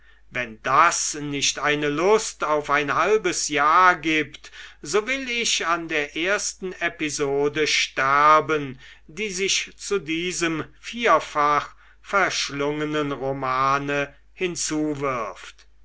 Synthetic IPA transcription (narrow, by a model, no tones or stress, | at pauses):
vɛndasnɪʃtʔaɪnəlʊstaʊfaɪnhalbəsjaːɐɡiːptzoːvɪlɪɕandeːɐʔeːɐstn̩epizoːdəʃtɛɐbən | diːzɪʃt͡sudiːzəmfiːɐfaχ | fɛɐʃlʊŋənənʁomaːnə | hɪnt͡suːvɪɐft